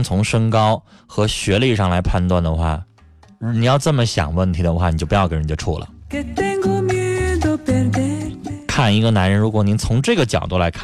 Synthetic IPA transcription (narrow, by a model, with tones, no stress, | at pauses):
ŋt͡sʰʊ˧˥ŋʂɤ˥ŋkɑ˥ʊ | xɤ˧˥ɕɥɛ˧˥li˥˧ʂɑ˥˩ŋla˧˥ɪpʰa˥˧nt̪wa˥˩nd̪ə˩xwa̰˥˩ | ni˨˩jɑ˥˧ʊʈ͡ʂə˥˩nmə˩ɕjɑ̰˨˩ŋwə˥˩nt̪ʰi˧˥d̪ə˧xwa˥˩ni˨t͡ɕo˥˩pjɑ˥˩ke˧˥˧ni˧˩ə˧ʈ͡ʂʰṵ˥˩lə̰˩˨t̪ɛ˥ŋɡo˥my˥d̪o˧pɛ˧ | kʰa˥˩ni˧˥ɡə˧na˧˥nɻə˧˥nɻu˧˥kwɔ˩ni˧˥nt͡sʰʊ˧˥ŋʈ͡ʂɤ˥˩ɡə˩t͡ɕjɑ̰˨˩ʊt̪u˥˩la˧˥ɪkʰa˥˩